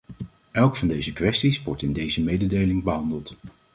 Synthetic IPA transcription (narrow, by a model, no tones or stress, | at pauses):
ʔɛlˠkfɑndejzəkʋɛstisʋɔɹtɪndejzəmejdədejlɪŋbəɦɑndəlˠt